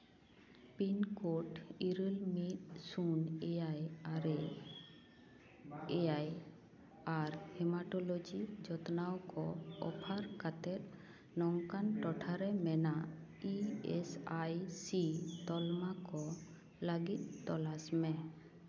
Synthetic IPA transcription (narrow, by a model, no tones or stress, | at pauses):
pinkoʈiɾəlmit̪̚sunɛajaɾɛ | ɛaj | aɾhɛmaʈɔlod͡ʒid͡ʒɔt̪nawkɔɔ̰pʰaɾkat̪ɛt̪̚ | nɔŋkanʈɔʈʰaɾɛmɛna | iɛsajsit̪ɔlmakɔ | laɡit̪̚ˀt̪ɔlasmɛ